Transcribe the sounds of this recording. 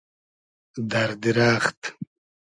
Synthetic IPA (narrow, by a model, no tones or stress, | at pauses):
d̪aɾd̪iɾaːχt̪